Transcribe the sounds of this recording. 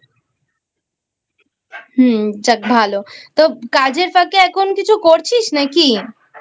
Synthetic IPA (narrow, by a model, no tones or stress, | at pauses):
ɦd͡ʒɐk̚bʱaːlot̪okaːd͡ʒeɾfəkeɛkonkit͡ʃʰokoːɾt͡ʃʰit͡ʃnɛki